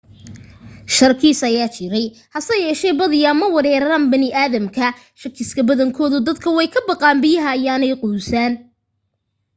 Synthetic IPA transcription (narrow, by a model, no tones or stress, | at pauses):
ʃɐrkʰiːsɐjaːt͡ʃʰɪɾɛjhɐsɐjɛːʃɛjbɐðɪjɐmɐwɐɾɛːɾɐɾaːnbɐnɪʔaːðɐmkʰɐ | ʃɐkʰɪskʰɐbɐðɐŋkʰɔːðʊd̪ɐd̪kʰɐwɛjkʰɐbɑqɑːnbɪjɐɦɐjaːnɛjqʊːsaːn